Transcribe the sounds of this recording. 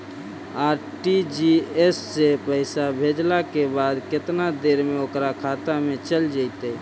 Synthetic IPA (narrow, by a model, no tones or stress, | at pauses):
aːɾʈid͡ʒiesːepəɪsabʱed͡ʒlakebaːd̪kɪt̪nad̪eːɾmẽokɾakʰaːt̪amẽt͡ʃəld͡ʒəɪt̪e